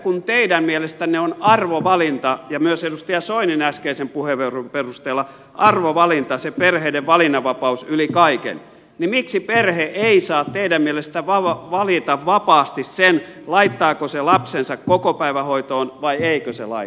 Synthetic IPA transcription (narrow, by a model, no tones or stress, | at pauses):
kunt̪eidæmmielest̪ænneonɑrʋoʋɑlint̪ɑjɑmyøsedust̪ɑjɑsoininæskeisempuheʋerumperust̪eːlːɑ | ʔɑrʋoʋɑlint̪ɑseperheideʋʋɑlinːɑʋɑpɑusylikɑikḛn | nimiksiperheʔeisɑːt̪t̪eidæmmielest̪æʋɑɑʋɑlit̪ɑʋʋɑpɑːst̪issen | lɑit̪ːɑːkoselɑpsensɑkkokopæiʋæhoit̪oːnʋɑieikøsḛlɑ̰i